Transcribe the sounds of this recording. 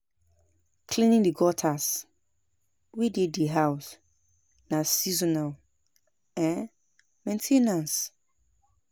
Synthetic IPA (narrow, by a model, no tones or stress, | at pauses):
kʰlĩnĩŋdiɡɔtʰas | wididdiɦaʊs | nãsizɔnal | ɛ̃n | mɛ̃ntʰẽnãns